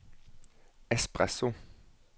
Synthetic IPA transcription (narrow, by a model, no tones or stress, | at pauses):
ɛspʁa̰sõ